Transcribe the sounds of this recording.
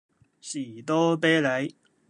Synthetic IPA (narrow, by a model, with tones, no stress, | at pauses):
syː˨˩t̪ɔː˥peː˥le˨˥j